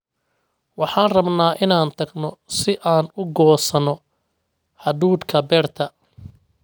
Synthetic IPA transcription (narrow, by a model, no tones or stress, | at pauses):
wɑħɑːnrɐbnaːʔɪnaːnt̪ʰɐɡnɔsɪʔaːnʊɡɔːsɐnɔ | hɐduːd̪kʰɐbɛːrt̪ʰɐ